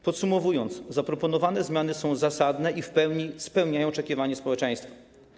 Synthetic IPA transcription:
pɔt̪sumɔvujɔnt̪szapɾɔpɔnɔvanɛzmʲjanɘsɔ̃w̃zasad̪nɛʔifpɛwɲispɛwɲajɔw̃ɔt͡ʂɛkʲivaɲɛspɔwɛt͡ʂɛ̃j̃st̪fḁ

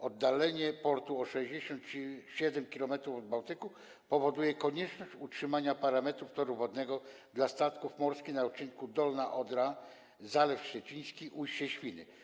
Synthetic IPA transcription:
ɔd̪ːalɛɲɛpɔɾt̪uɔʂɛʑd͡ʑɛɕɔnt̪t͡ɕɕɛd̪ɛmkʲilɔmɛt̪ɾuvɔd̪bawt̪ɘku | pɔvɔd̪ujɛkɔɲɛt͡ʂnɔɕt͡ɕutʂɘmaɲapaɾamɛt̪ɾuft̪ɔɾuvɔd̪nɛɡɔ | d̪last̪at̪kufmɔɾskʲinaɔt͡ʂinkud̪ɔlnaʔɔd̪ɾa | zalɛfɕt͡ɕɛt͡ɕij̃skʲiʔujt͡ɕɛɕfʲinɘ̰

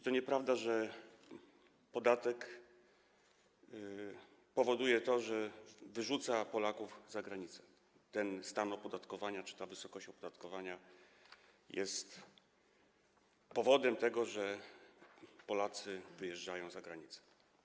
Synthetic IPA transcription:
it̪ɔɲɛpɾavd̪aʐɛ | pɔd̪at̪ɛk | pɔvɔd̪ujɛt̪ɔʐɛvɘʐut̪sapɔlakuvzaɡɾaɲit̪sɛ̥ | t̪ɛnst̪anɔpɔd̪at̪kɔvaɲat͡ʂɘ̥t̪avɘsɔkɔɕt͡ɕɔpɔd̪at̪kɔvaɲa | jɛ̰st̪ | pɔvɔd̪ɛmt̪ɛɡɔʐɛ | pɔlat̪sɘvɘjɛʐd͡ʐajɔ̃w̃zaɡɾaɲit̪sɛ̥

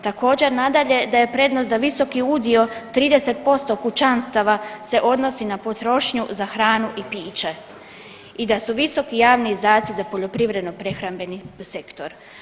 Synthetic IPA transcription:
t̪ako̞ːd͡ʑe̞ɾnad̪aʎe̞d̪aje̞pɾe̞ːd̪nosd̪aʋiso̞kiuːd̪io̞t̪ɾiːd̪ese̞t̪̚po̞st̪o̞kut͡ʃanst̪aʋase̞ʔo̞d̪no̞sinapo̞t̪ɾo̞ʃɲuzaxɾaːnuʔipiːt͡ʃe | id̪asuʋiso̞kijaːʋniːzd̪aːt̪sizapo̞ʎo̞pɾiʋɾe̞d̪no̞pɾe̞xɾambe̞nise̞kt̪o̞ɾ

